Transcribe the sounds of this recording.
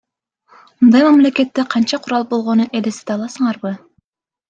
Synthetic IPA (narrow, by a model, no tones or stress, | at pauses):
mund̪ɑjmæmleket̪ːeqʰɑnt͡ʃɑqʰuɾɑlˠbo̞lˠʁonuʔelesi̥d̪ɑlˠɑsɤɴɑɾbɯ